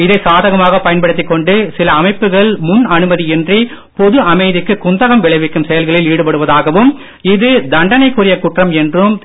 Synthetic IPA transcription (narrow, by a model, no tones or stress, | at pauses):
ɪðɐɪsaːðɐɣɐmaːɣɐpɐjɐnpɐɽɯt̪ːɪkːɔɳɖɯsɪlɐːmɐɪpːɯɣɐɭmʊnɐnɯmɐðiɛndri | pɔðɯʔɐmɐɪðɪkːɯkʊnd̪ɐɣɐmʋɪɭɐɪʋɪkːɯmsɛjɐlɣɐɭɪliːɽɯpɐɽɯʋɐðaːɣɐʋɯm | ɪðɯd̪ɐɳɖɐnɐɪkːʊrɪjɐkʊʈrɐmɛndrɯm